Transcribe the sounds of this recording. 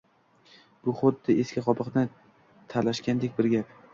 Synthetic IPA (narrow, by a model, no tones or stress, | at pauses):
b̥ʊχʊd̪ːɪeskʲɪqʰɒpɨqnɪ | t̪ʰalaʃkʲand̪e̞k̚ʲbɪɾɡʲap